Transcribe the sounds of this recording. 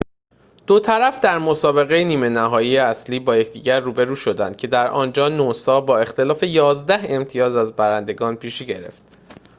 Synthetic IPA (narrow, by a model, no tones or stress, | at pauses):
d̪̥ot̪ʰæɾæfd̪æɾmo̞sɒːbe̞ɣejeniːmenæɦɒːjijeæsliːbɒːjecʰd̪iːɟæɾːuːbe̞ɾuːʃo̞d̪æ̰nd̪̚cʰe̞d̪æɾʔɒ̰ːnd͡ʒɒːnosɒːbɒːe̞xt̪e̞lɒːfe̞jɒːzd̪æhe̞mt̪ʰijɒːzæzbæɾænd̪e̞ɡɒːnpʰiːʃiɟe̞ɾe̞̰ft̪